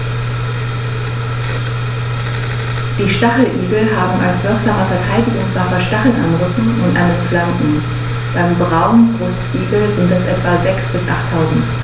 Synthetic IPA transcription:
d̥iːʃtaχl̩ʔiːɡl̩ɦaːbm̩ʔalshœɐkamɐfɛɐtʰaɪdɪɡʊŋsv̥afɐʃtaχl̩nʔa̰nʁʏkŋ̩ʊntʔa̰ɪnənflanʔŋ̩ | b̥aɪmbʁaʊnbʁʊstʔiːɡl̩zɪntɛsʔɛ̰tv̥azɛksb̥ɪsʔa̰χtʰːaʊzn̩t

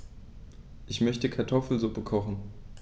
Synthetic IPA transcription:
ʔɪçmœçtəkʰaɐtʰɔfl̩zʊpəkʰɔχn̩

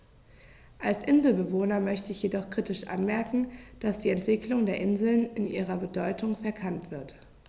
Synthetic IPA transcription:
ʔalsʔɪnzl̩bəvoːnɐmœçtəɪçjedɔχkʁ̥iːtɪʃʔa̰nmɛɐkŋ̩d̥asd̥iːɛntv̥ɪklʊŋdeːɐʔɪnzl̩nɪnʔiːʁɐbədɔʏtʊŋfɛɐkʰantv̥ɪɐt

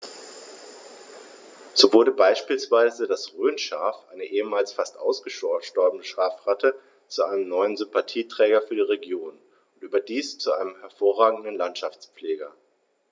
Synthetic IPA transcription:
z̥oːvʊɐɾəbaɪʃpiːlsv̥aɪzədasʁøːnʃaːfʔa̰ɪnəʔeːəmaːlsfastʔaʊsɡ̥əʃɔʃtɔɐbənəʃʁ̥aːfʁatʰə | t͡suʔaɪnəmnɔʏənzʏmpatʰiːtʁ̥ɛːɡɐfyːɐdiːʁeɡjoːn | ʊntʔyːbɐdiːst͡suaɪnəmhɛɐfoːɐʁaːɡŋ̩dn̩lantʃaft͡spp͡fleːɡɐ

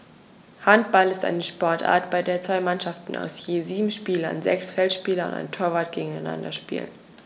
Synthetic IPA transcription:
hant̚b̥alɪsta̰ɪnəʃpɔɐtʔa̰ːɐtb̥aɪdeːɐt͡sv̥aɪmanʃaftn̩a̰ʊsjeːziːbm̩ʃpiːlɐ̰nzɛ̰ksfɛltʃpiːlɐʊ̰nta̰ɪntʰoːɐvaːt̚ɡ̥eːɡŋ̩aɪna̰ndɐʃpḭːlə̰n

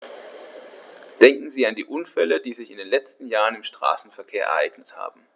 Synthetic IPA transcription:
d̥ɛŋkŋ̩ziːandiːʔʊnfɛləd̥iːzɪçɪndeːnlɛt͡stn̩jaːʁənɪmʃtʁ̥a̰ːsn̩fɛɐkʰeːɐʔɛ̰ɐʔaɪɡ̥nətha̰ːbm̩

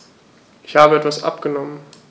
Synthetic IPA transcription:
ʔɪçhaːbəɛtv̥asʔa̰pɡ̥ənɔmən

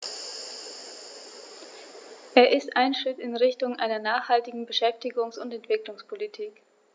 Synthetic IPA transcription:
ʔeːɐʔɪstʔaɪnʃʁ̥ɪtɪnʁɪçtʊŋʔaɪnɐnaːχhaltɪɡŋ̩bəʃɛftɪɡʊŋsʊntɛntv̥ɪklʊŋspʰolitʰiːk

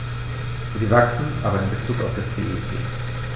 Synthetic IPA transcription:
ziːvaksn̩ʔaːbɐɪnbət͡suːka̰ʊfd̥asd̥eːʔodʰḛː

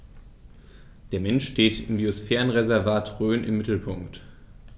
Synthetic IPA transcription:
d̥eːɐmɛnʃteːtɪmbiosfɛːʁənʁezɛɐvaːtʁøːnʔɪ̰mːɪtl̩pʰʊŋkt

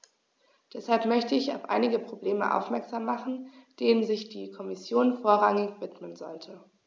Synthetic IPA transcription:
d̥ɛshalpmœçtəɪça̰ʊfʔa̰ɪnɪɡəpʁ̥obleːmə̰ʔa̰ʊfmɛɐkz̥aːmːaχn̩d̥eːnənzɪçd̥iːkʰɔmɪsjoːnfoːɐʁ̞aŋɪçv̥ɪtmənzɔ̰ltʰə

